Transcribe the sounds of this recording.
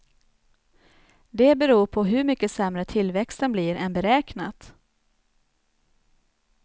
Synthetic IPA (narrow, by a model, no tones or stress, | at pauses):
d̪ɛbɛɾuːɾpʰɔɦɵmʏkːəsɛmɾət̪ʰɪlvɛkst̪ənbliɾɛnbɛɾɛːknat̪